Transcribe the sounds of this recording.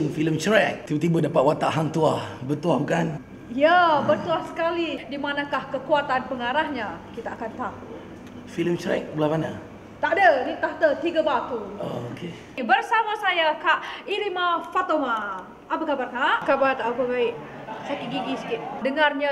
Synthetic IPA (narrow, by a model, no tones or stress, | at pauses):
ŋfiləmt͡ʃɾɛk̪̚ibət̪ibədapat̪̚wat̪aʔɦaŋt̪uahbət̪uahbukan | jabərt̪uahsə̥kalidimanakahkəkuat̪anpəŋaɾahɲakit̪aːkant̪aʔu | filəmt͡ʃɾɛ̰k̚bəlamana̰ | t̪aʔdənit̪aht̪ət̪iɡabat̪uo̰okʰe | bərsamasajakaʔiɾimafat̪omaː | pakabarkaʔkabart̪aʔakəɡaɪʔ | sakiʔ̚ɡiɡisə̥kɪt̪̚dəŋarɲa